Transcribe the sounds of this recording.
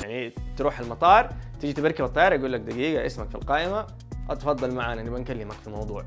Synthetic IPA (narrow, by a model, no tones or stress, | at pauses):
jaʕnit̪ɾuːħalmɑt̪ˤɑːɾˤt̪iːd͡ʒit̪ɪbaɾkabɑt̪ˤːɑjɑːɾˤjɡuːlːak̚d̪æɡiːɡaʔɪsmakfilqaːʔɪma | ʔɑt̪fɑd̪ˤːɑlmaʕaːnaʔnibankalːɪmakfimɑwd̪ˤuːʕ